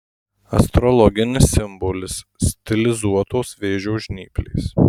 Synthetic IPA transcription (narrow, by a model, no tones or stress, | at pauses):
ɐ̰st̪ɾɔlˠɔɡʲɪnʲɪsːʲɪmbɔlʲɪssʲt̪ʲɪlʲɪzuɔt̪oːsʋʲeːʒʲoːʒʲnʲḭːklʲḛːs